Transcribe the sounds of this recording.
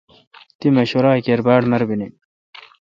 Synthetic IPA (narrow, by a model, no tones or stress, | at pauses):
t̪imeɕoɾaːkeɾbaːɽnɐɾbini